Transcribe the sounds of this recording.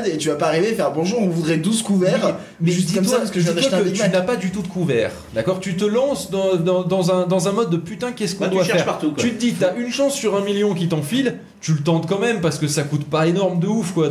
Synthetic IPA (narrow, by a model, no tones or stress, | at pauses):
d̪et̪yvapaːʁivefɛʁbɔ̃ʒuːʁɔ̃vud̪ʁɛd̪uskuvɛʁ | mɛʒimt̪waskəʒ̃it̪wak̪ətynapad̪yt̪ud̪əkuvɛːʁ | d̪akɔʁt̪yt̪əlɑ̃sd̪ɑ̃d̪ɑ̃d̪ɑ̃zɛ̃d̪ɑ̃zɛ̃mɔd̪ːəpyt̪ɛ̃kʲɛskɔ̃d̪waʃɛʁfɛʃʁpaʁt̪ukwt̪yt̪əd̪it̪yaʔynʃɑ̃sːyʁɛ̃miljɔ̃k̬ʲit̪ɑ̃fil | t̪ylət̪ɑ̃t̪kɑ̃mɛmpaʁsə̥kəsakut̪paenɔʁmd̪əufkwa